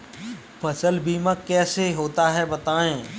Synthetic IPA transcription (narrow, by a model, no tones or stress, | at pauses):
pʰɐsəlbʱiːmãkɛːseɦoːt̪aɦɛbɐt̪aːẽː